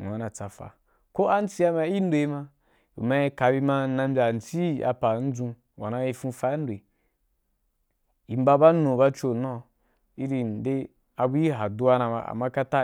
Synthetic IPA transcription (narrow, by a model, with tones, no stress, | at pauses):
a˨na˨t͡sa˨fa̰˨ | ko˦a˦n̩˦t͡si˦a˧ma˧˦i˦n˦do˧i˧mã˧˦ | ḭ˨ma˦i˧˦ka˧bi˧˦ma˧˦nã˧m˦bʲa˨n̩˨t͡si˦˨a̰˨pa˨n̩˦d͡zũ˧ | wa˨nã˨˦ji˧fũ˧fa˦ndwe˨ | i˨m˦ba˧ba˦nõ˨ba˧t͡ʃo˦˨nã˦ | i˦ɾi˧nde˦ | a˧bu˦ji˦ɦa˨du˦wa˦nã˧ma̰˧a̰˨ma˦ka˦ta˦